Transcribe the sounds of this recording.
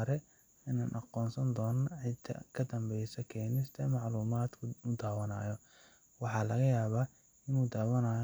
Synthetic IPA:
ɾɛ | ɪnaːnʔɑqɔːnsɐnd̪ɔːnʕɪt̪ʰːɐ̰kʰɐd̪ɐmbɛjsɐkʰɛːnɪst̪ʰɐmɑʕluːmaːd̪kʰʊʊd̪aːwɐna̰ːjɔ | wɑħɑːlɐɣɐjaːβaː | ɪnuːd̪aːwɐnaːj

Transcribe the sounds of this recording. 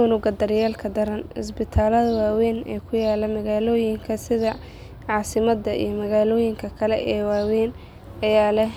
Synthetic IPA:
ʊnʊɡɐd̪ɐɾɪjaːlkʰɐd̪ɐɾɐnhɪ̰s̬bɪt̪ʰaːlɐðɐwaːwɛːnɛ̰ːkʰʊjaːlɐmɐɣaːlɔːjɪŋkʰɐsɪðɐ | ʕɑːsɪmɐd̪ːɐʔḭjɞmɐɣaːlɔːjɪŋkʰɐkʰɐlɛʔɛːwaːwɛːn | ɐjaːlɛh

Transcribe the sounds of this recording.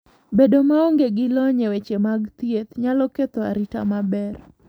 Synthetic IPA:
bedomaɔŋɡeɡɪlɔɲewet͡ʃemaɡt̪jet̪ɲalɔket̪oa̰ɾita̰mabɛr

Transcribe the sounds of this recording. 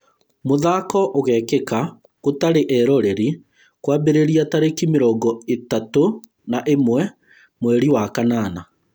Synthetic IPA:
moðaːkɔʔoɣɛkeka | kotaɾeʔɛɾɔɾeɾi | kwabeɾeɾiataɾekimeɾɔːɡɔetato | naʔemwɛ | mwɛɾiwakanaːna

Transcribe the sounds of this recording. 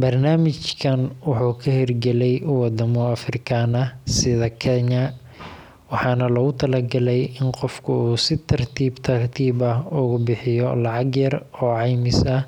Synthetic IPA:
bɐrnaːmɪt͡ʃkʰɐnwɑħuːkʰɐhɪrɡɛlɛjʊwɑd̪ɐmɔɐfrɪkʰanɐsɪðɐkʰɛɲɐ | wɑħɑːnɐlɐɣʊt̪ʰɐlɐɡɐlɛjɪnqɔfkʰʊuːsɪt̪ʰɐrt̪ʰiːbt̪ʰɐrt̪ʰiːbɐɦʊɣʊbɪħɪjɔlɑʕɑɡjɐrɔːʕɑjmɪsɐ

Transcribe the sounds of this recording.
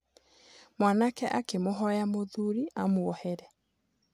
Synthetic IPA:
mwanakɛʔakemoɦɔjamoðuɾiamoɔhɛɾɛ

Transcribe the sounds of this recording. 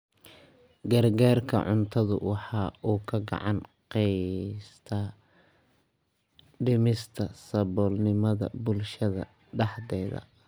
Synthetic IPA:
ɡɐrɡaːrkʰɐ̰ʕʊnt̪ʰɐðʊ̰wɑħɑːuːkʰɐɡɑ̰ʕɑnqɛjst̪ʰɐ | ɖɪmɪst̪ʰɐsɐbɔːlnɪmɐðɐ̰bʊlʃɐðɐ̰ | ɖɑħd̪ɛːðɐ̰

